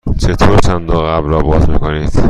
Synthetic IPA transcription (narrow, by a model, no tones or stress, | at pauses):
t͡ʃʰet̪ʰoːɾt͡ʃʰænd̪oɣæbɾɒːbɒːzmiːkʰoniːd̪̥